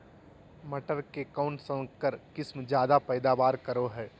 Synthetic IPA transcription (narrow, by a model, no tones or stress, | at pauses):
mɐʈəɾkekaʊ̃ɳʈsɐ̃kəɾkɪsmd͡ʒjaːd̪apɛːd̪aːʋaːɾkɐɾoɦɛː